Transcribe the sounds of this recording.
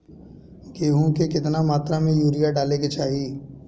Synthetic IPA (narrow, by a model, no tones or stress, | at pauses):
ɡeːɦũkekɪt̪namaːt̪ɾamẽjuːɾijaɖaːleket͡ʃaːɦiː